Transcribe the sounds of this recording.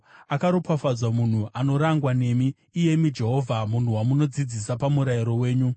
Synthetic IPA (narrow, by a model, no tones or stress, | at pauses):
akaɾopafad͡zwamun̤uʔano̞ɾaŋɡwane̞miː | je̞mid͡ʒe̞ɦo̞ːvʱamun̤uwamuno̞d͡zid͡zisapamuɾajiɾo̞we̞ːɲu